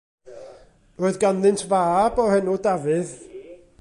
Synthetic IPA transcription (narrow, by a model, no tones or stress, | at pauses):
roːɨðɡanðɨntʰvaːbɔhɛnudavɨð